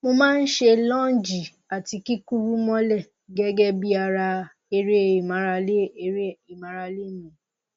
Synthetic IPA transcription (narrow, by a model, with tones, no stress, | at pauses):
mo˧mãː˦n̩˦ʃe˧lɔ̃˦d͡ʒi˨ | a˨ti˧ki˦ku˦ɾu˦mɔ̃˦lɛ˦˨ | ɡɛ˦ɡɛ˦bi˦a˧ɾa˧ | e˧ɾe˦˨i˨mã˨˦ɾa˧le˦˨˦ɾe˦i˨mã˨˦ɾa˧le˦˨mĩ˨